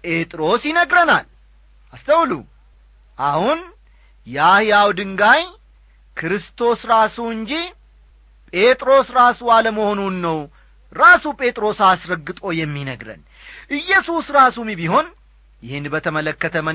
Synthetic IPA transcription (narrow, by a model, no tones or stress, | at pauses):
pʼe̞t̪ʼɾo̞sjɪnəɡɾənal | ast̪ʰəwlṵ | ʔahun | jahijawd̪ɨŋɡaj | kʰɨɾɨst̪ʰo̞sɾasuɨɲd͡ʒi | pʼe̞t̪ʼɾo̞sɾasualəməho̞nunːəw | ɾasupʼe̞t̪ʼɾo̞sasɾəɡːɨt̪ʼo̞jɛmːinəɡɾə̰n | ʔɨjːɛsusɾasumibiɦo̞n | jɪhɪnbət̪ʰəmələkːət̪ʰəmə